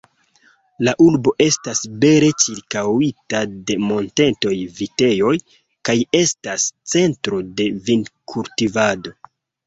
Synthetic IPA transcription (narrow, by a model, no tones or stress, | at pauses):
laʔuɾbo̞ʔe̞stasbe̞ɾe̞t͡ʃiɾkawitade̞mo̞nte̞nto̞jvite̞jo̞j | kaje̞stast͡se̞ntɾo̞de̞vinkʰultivado̞